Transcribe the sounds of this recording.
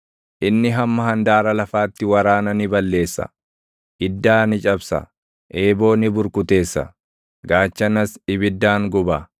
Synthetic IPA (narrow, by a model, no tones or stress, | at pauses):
ʔɪnːɪɦɐmːɐɦɐnd̪aːɾɐlɐfaːt̪ːɪwɐɾaːnɐnɪbɐlːe̞ːsːɐ̰ | ʔɪd̪ːaːnɪt͡ʃʼɐbsɐ̰ | ʔe̞ːbo̞ːnɪbʊɾkʊt̪e̞ːsːɐ̰ | ɡaːt͡ʃːɐnɐsɪbɪd̪ːaːŋɡʊba